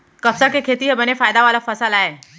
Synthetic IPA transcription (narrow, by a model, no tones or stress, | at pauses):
kəpsakekʰet̪iɦebənefajd̪aʋalafəsəlae